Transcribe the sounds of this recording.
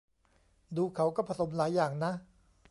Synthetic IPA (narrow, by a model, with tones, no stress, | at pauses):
d̪uː˧kʰa˩˦wkɔː˥˩pʰa˧so˩˦mlaː˩˦jːaː˨˩ŋna˦˥ʔ